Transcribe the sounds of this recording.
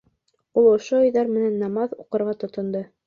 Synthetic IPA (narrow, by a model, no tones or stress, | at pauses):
ulˠŏʃoɵ̆jðɑɾmɘ̆nænːɑmɑðuqɤ̆ɾʁɑt̪ŏt̪ŏnd̪ɤ